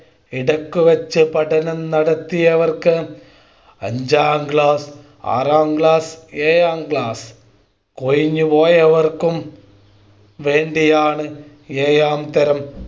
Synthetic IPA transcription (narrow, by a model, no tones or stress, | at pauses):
iɽɐkːuʋɐt͡ɕːɨpɐʈɐnɐmnɐɽɐt̪ːijɐʋɐrkɨ | ɐ̰ɲd͡ʑaːmɡɭaːs | a̰ːraːmɡɭaːseːjaːmɡɭaːs | kojiɲːupoːjɐʋɐrkum | ʋe̞ːɳɖijaːɳɨ | eːjaːmt̪ɐɾɐm